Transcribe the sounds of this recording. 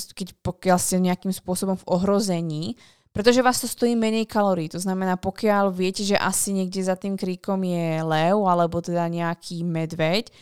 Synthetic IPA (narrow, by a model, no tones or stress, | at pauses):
kɛcpɔkɪalscɛɲɛakiːmspʊɔsɔbɔmvɔɦɾɔzɛɲiː | pɾɛt̪ɔʒɛʋaːst̪ɔst̪ɔjiːmɛɲɛjkalɔɾiːt̪ɔznamɛnaːpɔkɪalʋɪɛcɛʒɛʔa̰siɲɛɡɟɛzat̪iːmkɾiːkɔmjɛlɛʊalɛbɔt̪ɛd̪aɲɛakʰiːmɛd̪ʋɛc